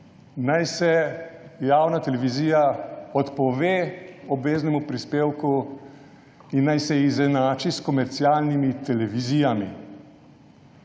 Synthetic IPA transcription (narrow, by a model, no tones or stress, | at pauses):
najsɛjaːwnat̪ɛlɛʋiziːjaɔt̪pɔʋeːɔbʋeːznɛmupɾispeːwku | inːajsɛizɛnaːt͡ʃiskɔmɛɾt̪siaːlnimit̪ɛlɛʋiziːjamḭ